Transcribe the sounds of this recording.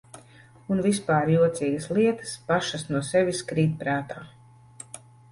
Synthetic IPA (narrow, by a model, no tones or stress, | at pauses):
unvispaːɾjuɔt̪siːɡɐslˠiɛt̪ɐ̥spaʃɐsnuɔsɛʋʲiskɾiːt̪̚pɾaːt̪aː